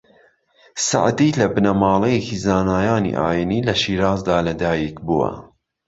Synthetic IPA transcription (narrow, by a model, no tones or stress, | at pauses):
sa̰ʕd̪iːlɐbɨnɐmɑːlˠejekizaːnaːjaːnḭʔa̰ːjiniːlɐʃiːɾaːzd̪aːlɐd̪aːjikbuwɐ̰